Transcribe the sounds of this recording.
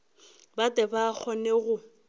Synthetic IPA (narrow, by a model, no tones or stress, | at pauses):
batɛbak͡xʰɔnɛɣʊ